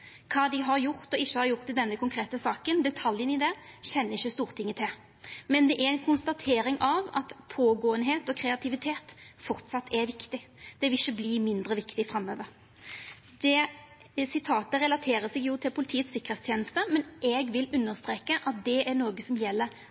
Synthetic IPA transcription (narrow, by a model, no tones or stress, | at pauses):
kʰɑːd̪ɪɦɑɾjʊʁt̪ɔɪçːəhɑɾjʊʁt̪ːɪd̪ɛnːəkʊŋkʰɾeːt̪əsɑːkənd̪ɛt̪ʰɑljənɪd̪ɛɕɛnːəɪçːəst̪uːʁt̪ʰɪŋːət̪ʰɪl | mɛnd̪ɛʔæɾɛnkʰʊnst̪ɑt̪ʰeːɾɪŋʔɑʋɑ̰t̪pʰoːɡoːənɦeːt̪ɔkʰɾɛɑt̪ʰɪʋɪt̪ʰeːt̪fɔʁt̪sɑt̪ʰːɛʋɪkt̪ɪd̪̥ɛʋɪlɪçːəbliːmɪnd̪ʁəʋɪkt̪ɪfɾɑmːøːʋəɾ | d̪ɛ | sɪt̪ʰɑːt̪əʁɛlɑt̪ʰeːɾəsɪɡjut̪ʰɪlpʰʊlɪt̪ʰiːət̪sɪkːəʁ̥̩eːt̪st̪ʰjeːnəst̪əmɛnʔɛɡʋɪlʉnːəʁst̪ɾeːkəʔɑt̪̚d̪ɛʔænoːɡəsɔmjɛlːəɾ